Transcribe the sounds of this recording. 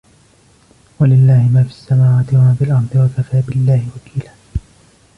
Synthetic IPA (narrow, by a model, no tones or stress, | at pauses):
walɪlːaːhɪmaːfi̥sːamaːwaːt̪ɪwamaːbɪlʔɑɾˤd̪ˤɨwakafaːbɪlːaːhɪwakiːlaː